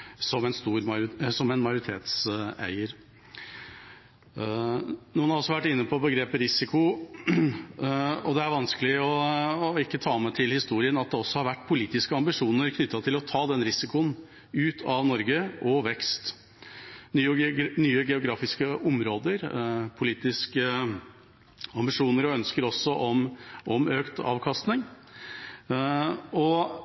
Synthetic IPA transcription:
sɔmɛnst̪uːɾsɔmɛnmɑjʊɾɪt̪ʰḛːt̪sæ̰ɪəɾ | nuːnhɑɾɔsːɔʋæʈːɪnːəpʰɔbəɡɾeːpəɾɪsɪkʊ | ɔd̪ɛæɾʋɑnskəlɪɔɪkːət̪ʰɑːmɛt̪ʰɪlhɪst̪uːɾɪənɑt̪̚d̪ɛɔsːɔhɑɾʋæʈːpʰʊliːt̪ɪskəɑmbɪʂuːnəɾkʰnʏt̪ːɑt̪ʰɪlɔt̪ʰɑːd̪ɛnɾɪsɪkʊən | ʉːt̪ʰɑʋnɔɾɡəʔɔʋɛkst̪ | nːnyːəɡɛʊɡɾɑːfɪskəʔɔmɾoːd̪əɾpʰʊliːt̪ɪskə | ɑmbɪʂuːnəɾɔœnskəɾɔsːɔʔɔmʔɔmøːkt̪ɑ̰ːʋkʰɑst̪nɪŋ | ɔ

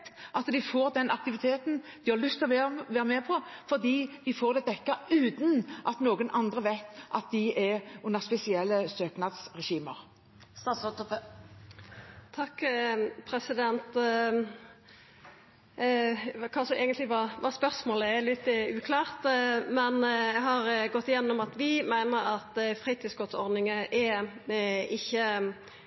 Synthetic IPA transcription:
t̪ʔɑt̪d̪ɪfoːʁd̪ɛnʔɑk̚t̪ɪʋɪt̪ʰeːt̪n̩d̪̥ɪhɑlʉst̪ʰɪlɔʋeʋæːʁəmɛpʰɔfɔʁd̪iːd̪ɪfoːʁd̪ɛd̪ɛkːəʉːt̪n̩ʔɑt̪noːɡənʔɑnd̪ʁəʋæɪt̪ʔɑt̪̚d̪ɪɛʊnːəʁspɛsɪɛlːəsøːknɑd̪sʁɛʃiːməʁ | st̪ɑːsɔt̪əp | t̪ʰɑkːpʰɾɛsɪd̪ɛnt̪ | kʰɑːsɔʔeːɡənt̪lɪʋɑʋɑspœʁsmoːləɛlɪt̪ːʉːkʰlɑːʁt̪mɛnjæɦɑʁɡɔt̪ːɪjɛnːɔmɑt̪ʋɪmæɪnəɾɑt̪fʁiːt̪ʰiːsɡɔt̪sɔ̰ʁd̪nɪŋəʔɛ | ɪçːə

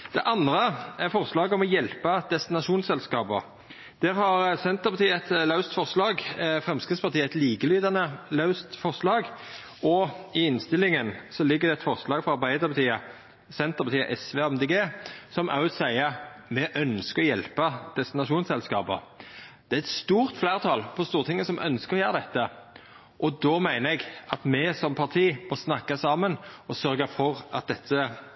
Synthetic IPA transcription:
d̪̥ɛ̰ʔɑnd̪ɾəɛɾfɔʁslɑːɡəɔmɔjɛlpɑd̪̥ɛst̪ɪnɑʂuːnsɛlskɑːbɔ | d̪̥æɾhɑɾsɛnt̪əpʰɑt̪iːəɛt̪lɑʉst̪fɔʁslɑːɡfɾɛmskʁɪt̪spɑʁt̪ʰiːəɛt̪liːɡəlyːd̪ɑnəlɑʉst̪fɔɾslɑːɡ | ɔɪɪnst̪ɪlɪŋənsɔlɪɡːəɾd̪ɛɛt̪fɔʁslɑːɡfɔɾɑɾbæɪd̪əɾpʰɑt̪ʰiːə | sɛnt̪əpɑt̪iːə̰ʔɛsʋeːɑɛmd̪eːɡeːsɔmʔɑ̰ʉssæɪəmɛʔœnskəɔjɛlpɑd̪̥ɛst̪ɪnɑʃuːnsɛlskɑːpə̰d̪̥ɛæɾɛt̪st̪uːɾt̪flæːʁt̪ʰɑlpʰɔst̪uːɾət̪ʰɪŋːəsɔmʔœnskəɾɔjøːʁəd̪ɛt̪ːə | ʔɔd̪ɔːmæɪnəɛɡɑt̪mɛsɔmpʰɑʁt̪ʰiːmɔsnɑkːɑsɑːmənɔsœɾɡəfɔʁɑ̰t̪̚d̪ɛt̪ʰːə

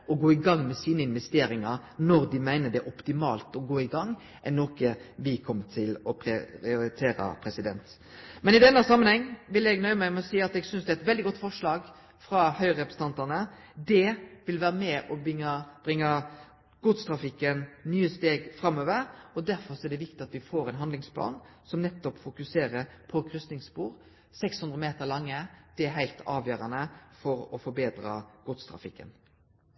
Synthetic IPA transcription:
ɔɡoːɪɡɑŋːmɛsiːnəɪnʋɛst̪eːɾɪŋɑɾ | nɔɾd̪ɪmæɪnəɖ̪ɛæʔɔpt̪ɪmɑ̰ːlt̪ɔɡoːɪɡɑŋː | ʔɛnːɔkəʋɪkʰɔmːt̪ʰɪlɔpʰɾɪɪʊɾɪt̪ʰeːɾə̰pʰɾɛsɪd̪ɛnt̪ | mɛnɪd̪ɛnːəsɑmːənhɛŋːʋɪlɛɡnœʏmæɪmɛɔsiːɑt̪ɛɡsʏnsd̪ɛæɛt̪ʋɛld̪ɪɡɔt̪ːfɔʂɭɑːɡ | fɾɑhœʏɾɛpɾəsn̩ɑnt̪ɑnə | d̪ɛʋɪlʋæːɾəmɛʔɔŋəb̥ʁɪŋːə | ɡ̥ʊt̪st̪ʰɾɑfɪkːənnyːəst̪eːɡfɾɑmːøːʋəɾɔd̪æɾfɔɾsɔɛɖ̪ɛʋɪk̚t̪ɪɑt̪ʋɪfoːɾɛnɦɑnd̪lɪŋspʰlɑ̰ːn | sɔmnɛt̪ːɔpfʊkʉseːɾəɾpʰɔkʰɾʏst̪nɪŋspuːɾ | sɛkshʉnd̪ʁəmeːt̪əɾlɑŋːəd̪̥ɛæɦæɪlt̪ʰɑ̰ːʋjøːɾɑnəfɔɾɔfɔɾbeːd̪ɾɑ̰ɡ̥ʊt̪st̪ʰɾɑ̰fɪ̰kːə̰n

